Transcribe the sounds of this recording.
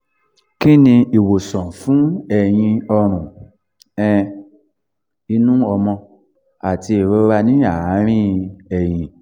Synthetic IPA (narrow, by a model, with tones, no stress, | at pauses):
ki˦nĩ˧i˨wo˨sɔ̃˨fũ˨˦ɛ˨j̃ĩ˧ɔ˧ɾ̃ũ˨ | ɛ̃˦˧ | i˧nũ˦ɔ˧mɔ̃˧ | a˨ti˧e˨ɾo˧˦wa˧nĩ˦a˨˦ɾ̃ĩ˦ɛ˨j̃ĩ˨